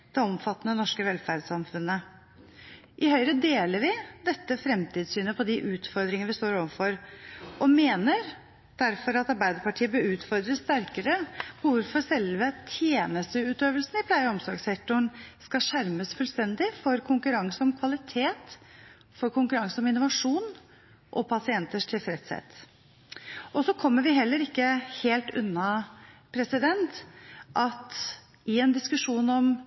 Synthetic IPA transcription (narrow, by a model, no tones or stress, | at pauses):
d̪̥ɛɔmfɑt̪ːnənɔʂkəʋɛlfæɾd̪sɑmfʉnːə | ʔɪhœʏɾəd̪eːləɾʋɪd̪ɛt̪ːəfɾɛmt̪ʰiːd̪syːnəpʰɔd̪ɪʔʉːt̪fɔɾd̪ɾɪŋənəʋɪst̪oːɾoːʋənfɔɾʔɔmeːnəɾ | d̪̥æɾfɔɾɑt̪ɑɾbæɪd̪əɾpɑʈʰiːəbøʉːt̪fɔɾd̪ɾəst̪æɾkəɾəpʰɔʋʊɾfɔɾsɛlʋət̪ʰjeːnəst̪əʉːt̪øːʋəlsn̩ɪpʰlæɪəɔmsɑ̰ɡsɛk̚t̪ʊɳskɑʂæɾməsfʉlst̪ɛnd̪ɪfɔɾkʰʊŋkʉɾɑŋsəɔmkʰʋɑlɪt̪ʰeːt̪ | fɔɾkʰʊŋkʉɾɑŋsəɔmɪnːʊʋɑʂuːn | ʔɔpʰɑsɪɛnt̪əʂʈʰɪlfɾɛt̪sɛ̰t̪ | ʔɔsɔkʰɔmːəɾʋɪɦɛlːəɾɪkːəheːlt̪ʉ̰nːɑpʰɾɛsɪd̪ɛnt̪ʔɑt̪ | ɪɛnd̪ɪskʉʂuːnɔm